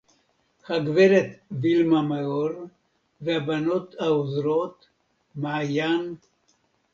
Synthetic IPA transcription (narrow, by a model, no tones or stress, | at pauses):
χaɡveɾet̪vilmameoɾ | veabanot̪haozɾot̪ | maʕajan